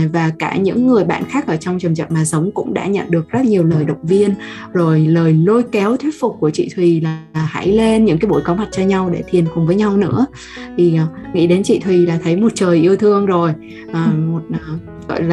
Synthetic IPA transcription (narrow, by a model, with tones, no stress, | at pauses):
vaː˨˩kaː˧˩ɲɨ̰˧˥ŋːɨ˨˩əjɓa̰ː˧˨nxaː˦˥k̚ʔəː˧˩t͡ɕɔ˧wŋ͡mt͡ɕə˨˩mt͡ɕa̰˨˩t̚maː˨˩sə˨˦wŋ͡mkʊ̰˧˥ŋ͡mɗa̰ː˧˥ɲə̰˧˨nɗɨ˨˩ək̚zə˦˥t̚ɲi˨˩əwləː˨˩jɗə̰˧˨wŋ͡mvi˧ən | zo˨˩jləː˨˩jlo˧jkɛ˨˦wt̪ʰwi˦˥ət̚fʊ˨˩k͡p̚ku˧˩ət͡ɕḭ˧˨t̪ʰwi˨˩la˨˩ha̰˧˥jle˧nɲɨ̰˧˥ŋkaː˨˦jɓo˧˩jkɔ˨˦wma˨˩t̚t͡ɕɔ˧ɲa˧wɗe˧˩t̪ʰi˨˩ənxʊ˨˩ŋ͡mvəː˨˦jɲa˧wnɨ̰˧˥ə | t̪ʰi˨˩ʔːŋḭ˧˥ɗe˨˦nt͡ɕḭ˧˨t̪ʰwi˨˩laː˨˩t̪ʰə˨˦jmo˨˩t̚t͡ɕəː˨˩jʔi˧əwt̪ʰɨ˧əŋzo˨˩j | ʔəː˨˩mo˨˩t̚ʔː | ɣɔ̰˧˨jlː